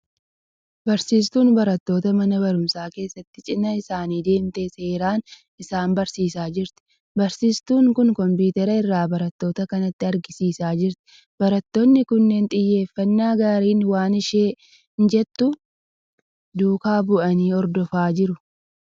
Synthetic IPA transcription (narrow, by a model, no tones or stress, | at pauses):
bɐɾsiːst̪uːnbɐɾɐt̪ːo̞ːt̪ɐmɐnɐbɐɾʊmsaːke̞ːsːɐt̪ːɪt͡ʃʼɪnːɐɪsaːniːd̪e̞ːmt̪eːse̞ːɾaːn | ɪsaːmbɐɾsiːsaːd͡ʒɪɾt̪ɪ̥ | bɐɾsiːst̪uːŋkʊŋkɔmpuːt̪ɛɾɐɪrːaːbɐɾɐt̪ːo̞ːt̪ɐkɐnɐt̪ːɪɐɾɡɪsiːsaːd͡ʒɪɾt̪ɪ̥ | bɐɾɐt̪ːonːɪkʊnːeːnt̪ʼɪjːe̞ːfːɐnːaːɡaːɾiːnwaːnɪʃe̞ː | ɪnd͡ʒɛt̪ːʊ | d̪uːkaːbʊʔɐniːɔɾd̪ɔfaːd͡ʒɪɾʊ